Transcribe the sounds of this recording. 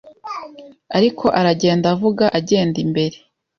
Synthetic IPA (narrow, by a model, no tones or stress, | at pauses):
aɾikʰo̞ʔaɾaɟe̞ːndavuɡaʔaɟe̞ːndimbe̞ɾe̞